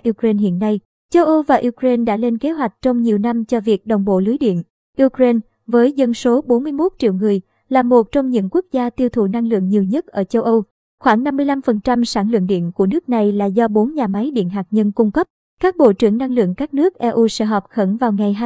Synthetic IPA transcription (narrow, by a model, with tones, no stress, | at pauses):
ʔi˧kɾe˧nhḭ˧˨ənːa˧j | t͡ɕə˧wʔə˧wvaː˨˩ʔi˧kɾe˧nɗa̰ː˧˥le˧nke˨˦ɦwa˨˩jk̟̚t͡ɕɔ˧wŋ͡mɲi˨˩əwna˧mt͡ɕɔ˧vi˨˩ək̚ɗə˨˩wŋ͡mɓo̰˧˨lɨ˨˦jɗḭ˧˨ən | ʔi˧kɾe˧n | vəː˨˦jzə˧nso˨˦ɓo˨˦nmɨ˧jmo˦˥t̚t͡ɕḭ˧˨wŋɨ˨˩əj | laː˨˩mo˨˩t̚t͡ɕɔ˧wŋ͡mɲɨ̰˧˥ŋku˦˥ək̚zaː˧t̪i˧wt̪ʰu˨˩na˧ŋlɨ̰˧˨əŋɲi˨˩əwɲə˦˥t̚ʔəː˧˩t͡ɕə˧wʔə˧w | xwaː˧˩ŋna˧mːɨ˧jla˧mfə˨˩nt͡ɕa˧msaː˧˩nlɨ̰˧˨əŋɗḭ˧˨ənku˧˩ənɨ˦˥ək̚na˨˩jlaː˨˩zɔ˧ɓo˨˦nɲaː˨˩ma˨˦jɗḭ˧˨ənɦaː˨˩k̚ɲə˧nkʊ˧ŋ͡mkə˦˥p̚ | kaː˦˥k̚ɓo̰˧˨t͡ɕɨ̰˧˩əŋna˧ŋlɨ̰˧˨əŋkaː˦˥k̚nɨ˦˥ək̚ʔɛ˧ʔu˧sɛ̰˧˥ɦɔ˨˩p̚xə˧˩nvaː˨˩wŋa˨˩jɦaː˧